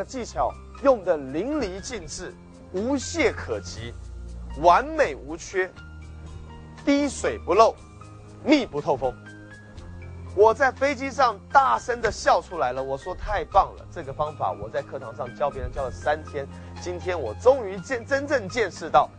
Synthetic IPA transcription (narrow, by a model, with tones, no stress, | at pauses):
t͡ɕi˥˩t͡ɕʰjɑ˨˩ʊ | jʊ˥˩ŋd̪ə˩li˧˥ŋli˧˥t͡ɕi˥˧nʈ͡ʂɻ̩˥˩ | u˧˥ɕjɛ˥˩kʰɤ˨˩t͡ɕʰi˧˥wa˧˥nme˨˩ɪu˧˥t͡ɕʰɥɛ˥ | t̪i˥ʂwe˨˩ɪpu˧˥lo˥˩ʊ | mi˥˩pu˧˥t̪ʰo˥˩ʊfo˥ŋ | wɔ˨˩t͡sa˥˩ɪfe˥ɪt͡ɕi˥ʂɑ˥˧ŋt̪a˥˩ʂə˥nd̪ə˨ɕjɑ˥˩ʊʈ͡ʂʰu˥la˧˥ɪlə˨wɔ˨˩ʂwɔ˥t̪ʰa˥˧ɪpɑ˥˩ŋlə̰˩ʈ͡ʂɤ˥˩ɡə˩fɑ˥ŋfa̰˨˩wɔ˨˩t͡sa˥˧ɪkʰɤ˥˩t̪ʰɑ˧˥ŋʂɑ˥˩ŋt͡ɕjɑ˥ʊp̬jɛ˥nə˨˩t͡ɕjɑ˥ʊə˨˩sa˦nt̪ʰjɛ˥n | t͡ɕi˥nt̪ʰjɛ˥nwɔ˨˩ʈ͡ʂʊ˥ŋy˧˥t͡ɕɛ˥˧ʈ͡ʂə˥nʈ͡ʂə˥˧ŋt͡ɕjɛ˥˧nʂɻ̩˥˧t̪ɑ˥˩ʊ